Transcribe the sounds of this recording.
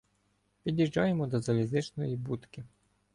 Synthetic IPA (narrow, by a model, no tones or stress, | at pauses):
pʲidʲiʒd͡ʒɑjemɔd̪ɔzɐlʲizɪt͡ʃnɔjibut̪kɪ